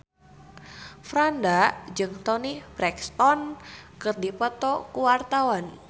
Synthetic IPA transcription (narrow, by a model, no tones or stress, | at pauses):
fɾandad͡ʒɨŋt̪ɔnibɾɛkst̪ɔnkɨrdipət̪ɔkuwart̪awan